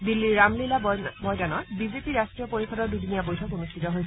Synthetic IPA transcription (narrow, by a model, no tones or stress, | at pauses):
bilːiɹamlilabɔmojd͡ʒanɔ̃bizepiɹastɹijɔpoɹikʰɔɾɔɹdudinijabojtʰɔkonustʰitɔɦoj